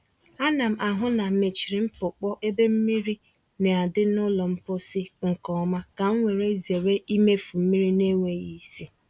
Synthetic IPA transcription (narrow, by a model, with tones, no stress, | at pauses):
a˦na˨m̩˨a˨ɦʊ˦na˨me˨t͡ʃi˨ɾi˨m̩˦pʊ˨k͡pɔ˦ʔe˦be˦m̩˦mi˦ɾi˦ | ne˨a˨dɪ˦nʊ˦lɔ˨m̩˦pʊ˦sɪ˦ŋ̩˨kɔ˨˦ma˦ka˨ŋ̩˦ŋʷe˨ɾe˦ze˨ɾe˦ʔi˦me˦fu˨m̩˦mi˦ɾi˦ne˦ŋʷe˦ji˨˦si˦